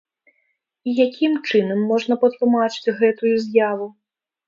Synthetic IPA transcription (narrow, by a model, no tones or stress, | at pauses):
ijakʲimt͡ʂɨnɐmːɔʐn̪ɐpɐt̪lˠumat͡ʂɨ̥t͡sʲɣɛt̪ujuzʲjavu